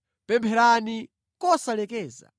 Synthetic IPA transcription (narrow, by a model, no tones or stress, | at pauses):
pɛmpʰɛɾani | kɔsalɛkɛːza̰